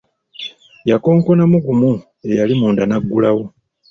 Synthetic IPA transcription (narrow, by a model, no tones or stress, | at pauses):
jako̞ːŋko̞namuɡumu | e̞jalimuːndanaɡːulawo